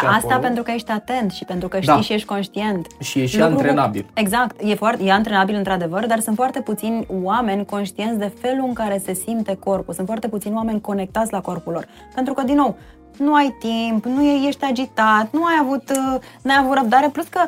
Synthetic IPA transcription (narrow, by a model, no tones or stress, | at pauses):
ast̪ape̞nt̪ɾukəje̞ʃt̪ʲat̪e̞nt̪ʃipe̞nt̪ɾukəʃdt̪aiʃije̞ʃt̪̚ʲko̞nʃt̪ie̞nt̪ʃijelukɾuɾenabḭle̞ɡzakt̪je̞foart̪jeant̪ɾenabilɨnt̪ɾad̪e̞vərd̪arsunt̪foart̪e̞put̪sinʲwame̞nʲko̞nʃt̪ie̞nsʲd̪e̞fe̞luɨŋkaɾe̞se̞simt̪e̞ko̞rpulsunt̪foart̪e̞put̪sinwame̞nʲko̞ne̞k̚t̪at̪sʲlako̞rpulo̞r | pe̞nt̪ɾukəd̪inːo̞w | nuajt̪impnueje̞ʃt̪ʲad͡ʒit̪at̪nuajavut̪ | nejavut̪ɾəb̚d̪aɾe̞pluskə